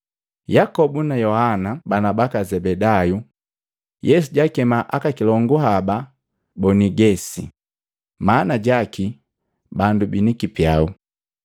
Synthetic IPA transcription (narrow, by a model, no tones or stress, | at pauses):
jakɔbunajɔhanabanabakazɛbɛdaju | jʔɛs̬uɟakɛmaʔakakilɔŋɡuɦaba | bɔniɡɛsi | manaɟaki | bandubinikipjau